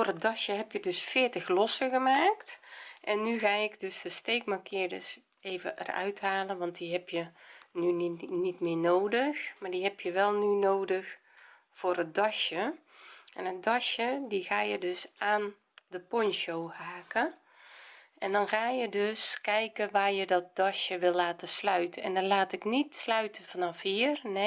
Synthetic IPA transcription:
foːrət̚dɔʃjəɦɛpjədøsfɪːətəxlɔsəɣəmaːktʔɛnːyɣaːɪkdøsdəsteːkmakʰɪːrdəs | eːvə̰ʔə̰rœ̰ɥthaːlənʋɑnt̚diɦɛpʰjənynitmɪːnoːdəxmaːdiɦɛpjəʋɛlˠnynoːdəx | fʊːrət̚dɔʃjə | ʔɛnət̚dɔʃjədiɣaːjədøsaːn | dəpɔnʃoːhaːkə | ʔɛndɔnxaːjədøskɛjkəʋaːjədɔt̚dɔʃjəʋɪlˠlaːtəslœɥtənɛ̰ndɔnlaːtɪknitslœɥtəfɔnɔfiərne

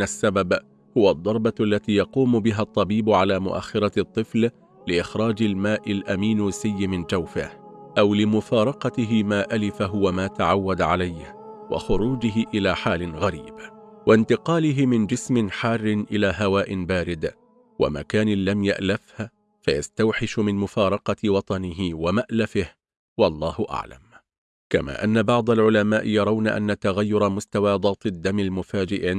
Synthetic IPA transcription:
asːabab | hʊwad̪ˤːɑɾˤbɑʔalːat̪iːjɑquːmʊbɪɦat̪ˤːɑbiːbʊʕalaːmʊ̰ʔa̰xːɪɾˤɑt̪ˤːɨfl | lɪʔɪxɾˤɑːd͡ʒalmaːʔɪlʔamiːnːsɪjːɪmɪnd͡ʒawfahʔawlɪmʊfɑːɾˤɑqɑt̪ɪɦɪmaːʔalɪfaɦʊwamaːt̪aʕawːad̪ʕalajhwɑ̰xʊɾuːd͡ʒɪɦɪʔɪlaːħaːlɪnɣaɾiːbwʔant̪ɪqɑːlɪɦɪmɪnd͡ʒɪsmɪnħɑːrːɪnʔɪlaːɦawaːʔɪnbaːɾɪd̪ | wa̰ma̰kaːnɪlːamja̰ʔlafh | fajast̪awħɪʃʊmɪnmʊfɑːɾˤɑqɑwɑt̪ˤɑnɪɦɪwamaʔlafɪh | wɑlˤːɑːhʊʔa̰ʕla̰m | ka̰ma̰ːʔanːabɑʕd̪ˤɑlʕʊlamaːʔɪjɑɾˤɑwnaʔa̰nːat̪aɣajːʊɾˤmʊst̪awɑːd̪ˤɑːt̪ˤɪd̪ːamɪlmʊfaːd͡ʒɪʔʕɪ

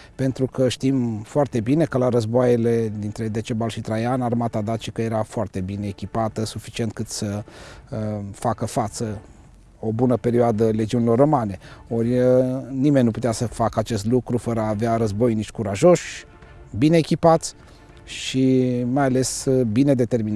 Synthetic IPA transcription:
pe̞nt̪ɾukəʃt̪imfoart̪e̞bine̞kəlaɾəzboajele̞d̪int̪ɾe̞d̪e̞t͡ʃe̞balʃit̪ɾajanarmat̪ad̪at͡ʃikəje̞ɾafoart̪e̞bine̞ːkʲipat̪əsufi̥t͡ʃie̞nt̪̚kɨt̪sə | fakəfat̪sə | o̞bunəpe̞ɾioad̪əle̞d͡ʒiunilo̞rːo̞maneorʲənimenʲnupu̥t̪easəfakəat͡ʃe̞st̪lukɾufəɾəaːveaɾəzbo̞jnit͡ʃʲkuɾaʒo̞ʃʲ | bine̞ːkʲipat̪sʲ | ʃimajale̞sbine̞d̪e̞t̪e̞rmin

